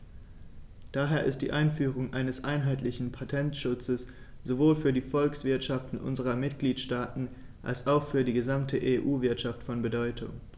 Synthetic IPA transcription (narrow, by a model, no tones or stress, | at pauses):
d̥aːɦeːɐʔɪ̰std̥ḭːʔaɪnfyːʁ̞ʊŋʔaɪnəsʔaɪnɦaɪtlɪçn̩pʰatʰɛntʃʊt͡səs | z̥ovoːlfyːɐdiːfɔlksv̥ɪɐtʃaftn̩ʔʊ̰nzəʁɐmɪtɡ̥liːtʃtaːtn̩ | ʔa̰lsaʊxfyːɐdiːɡəzamtʰəʔeʔuːvɪɐtʃaftfɔnbədɔʏtʰʊ̰ŋ